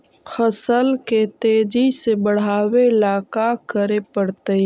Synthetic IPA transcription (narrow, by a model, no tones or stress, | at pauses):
xəsəlket̪eːd͡ʒisebəɽ̤aːweɪlaːkakəɾepəɽt̪əi